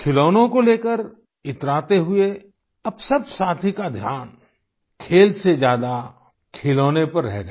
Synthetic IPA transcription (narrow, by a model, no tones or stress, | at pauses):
kʰɪloːnõkoleːkəɾ | ɪt̪ɾaːt̪eɦʊe | ɐbsɐbsaːt̪ʰikad̪ʱjaːn | kʰeːlsed͡ʒjaːd̪a | kʰɪloːnepɐɾːɛɦɡaː